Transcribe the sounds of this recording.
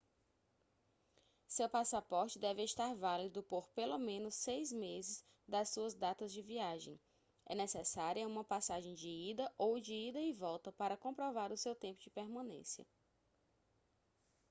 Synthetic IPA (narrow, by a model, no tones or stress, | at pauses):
sewpasapɔɾt͡ʃɪd̪ɛvɪeʃt̪aɾvalid̪ʊpoɾpelomẽnʊsejzmezɪz | d̪ɐssuɐzd̪at̪ɐzd͡ʒɪviaʒḛ̃j̃ | ɛ̰nɛsɛsaɾiɐũmɐpasaʒẽj̃d͡ʒɪid̪ɐʔowd͡ʒɪid̪ɐɪvɔwt̪ɐpaɾɐkõpɾɔvaɾʊsewt̪ẽmpʊd͡ʒɪpeɾmɐ̃nḛ̃sjɐ̰